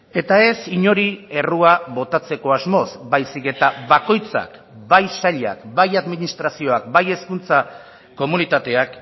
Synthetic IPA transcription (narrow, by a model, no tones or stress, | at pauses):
e̞t̪ae̞siɲo̞ɾie̞ruaβo̞t̪at͡se̞ko̞azmo̞zbajsike̞t̪aβako̞jt͡sa̰k | bajsaʎa̰kbajaðminist̪ɾasio̞ak̚baje̞skunt͡sa | ko̞munit̪at̪e̞ak